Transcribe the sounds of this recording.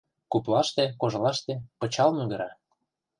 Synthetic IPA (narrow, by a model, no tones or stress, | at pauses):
kuplɑʃt̪ekoʒlɑʃt̪epɤ̆t͡ɕɑlmyɣə̆ɾɑ